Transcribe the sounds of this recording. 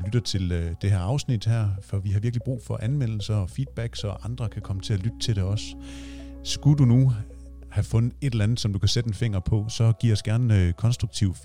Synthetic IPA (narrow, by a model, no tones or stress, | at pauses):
lyd̥ɐt͡sʰe̝ld̥e̝ɦæɐɑ̈ʊsnid̥hæɐ̰fɒ̽ʋiɦɑ̈ʋiɐɡ̥lib̥ʁṵːfɒ̽ʔænmen̰l̩sɐɒfiːd̥̚b̥æɡ̥sɒ̽ʔɑ̈nd̥ʁɐkʰækʰɒ̽mət͡sʰe̝ælyd̥ət͡sʰe̝lde̝ɒ̽s | sɡ̥udunu | hæfɔ̽nð̩ˠe̝ɾ̥elænð̩ˠsɒ̽md̥ukʰæsed̥enfe̝ŋ̰ɐpʰɒ̽sɒ̽ɡ̥iɐ̰ɒ̽sɡ̥æɐnøkʰɒ̽nsd̥ʁuɡ̥̚t͡sʰiʊ